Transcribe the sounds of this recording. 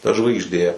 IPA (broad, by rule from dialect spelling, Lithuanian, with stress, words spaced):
tɐ ʒʋɐɪɡʒʲˈdʲeː